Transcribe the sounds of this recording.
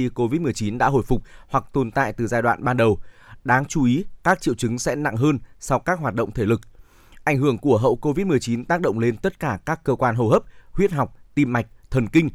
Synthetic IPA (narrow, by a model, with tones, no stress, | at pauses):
i˧ko˧vi˦˥t̚mɨ˨˩əjt͡ɕi˨˦nɗa̰ː˧˥ɦo̰˧˨jfʊ˨˩k͡p̚hwa˨˩k̚t̪o˨˩nt̪a̰ː˧˨jt̪ɨ˨˩zaː˧jɗwa̰ː˧˨nɓaː˧nɗə˨˩wɗaː˨˦ŋt͡ɕu˧˦ʔi˨˦kaː˦˥k̚t͡ɕḭ˧˨əwt͡ɕɨ˨˦ŋsɛ̰˧˥na̰˧˨ŋɦəː˧nsa˧wkaː˦˥k̚ɦwaː˨˩t̚ɗə̰˧˨wŋ͡mt̪ʰe˧˩lɨ˨˩k̚ | ʔa˧˩jŋ̟ɦɨ˧˩əŋku˧˩əɦə̰˧˨wko˧vi˦˥t̚mɨ˨˩əjt͡ɕi˨˦nt̪aː˦˥k̚ɗə̰˧˨ŋ͡mle˧nt̪ə˦˥t̚kaː˧˩kaː˦˥kːəː˧kwaː˧nɦo˧ɦəː˦˥p̚hwi˦˥ət̚ɦa˨˩wk͡p̚t̪i˧mma˨˩jk̟̚t̪ʰə˨˩nkï˧ŋ̟